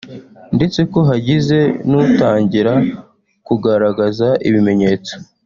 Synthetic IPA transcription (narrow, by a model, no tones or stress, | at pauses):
nde̞t͡se̞ko̞ɦaɟize̞nutaːɲɟiɾa | kuɡaɾaɡazaʔiβime̞ɲe̞ːt͡so̥